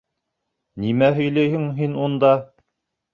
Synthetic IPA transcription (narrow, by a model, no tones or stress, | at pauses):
nimæɦɵ̆jlæjhɘŋɦinund̪ɑ